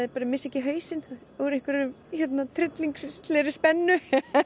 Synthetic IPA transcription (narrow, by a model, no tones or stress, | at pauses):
ðɪɾpaɾɪmɪsɛhcɪɦœːɥsɪn | uɾeŋkvɪɾʏm | çɛt̪nat̪ʰɾɪt̪liŋksst̪lɛɾɪspɛnːʏ